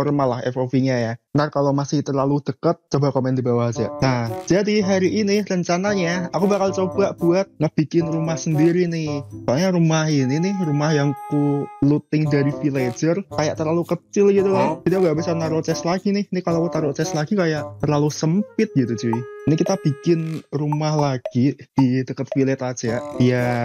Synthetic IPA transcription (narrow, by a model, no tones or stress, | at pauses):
ɔrmalaɦɛ̰fofiɲajaənarkalomasɪht̪ərlalud̪̥əkət̪̚t͡ʃobakomɛnd̪ibawad͡ʒa̰ʔnahd͡ʒ̥adiɦaɾiʔinirəɲt͡ʃanaɲaakubakalt͡ʃob̥aʔb̥uat̪̚ŋəʔb̥ikɪnrumahsəndiɾinɪhsaɲaɾumahininɪhrumahjaŋkulut̪ɪŋdaɾifiled͡ʒərkajaʔt̪ərlalukət͡ʃɪlɡit̪ukad͡ʒ̥id̪iŋɡaʔbisanaɾuʔt͡ʃɛslaɡ̥inɪhnɪhkalokut̪aɾʊʔt͡ʃɛslaɡikajaʔt̪ərlalusəmpɪt̪̚ɡ̥it̪ud͡ʒuɪinikit̪ab̥i̤kɪnrumahlaɡ̥id̥idəkət̪̚filɛt̪ḁd͡ʒ̥aʔja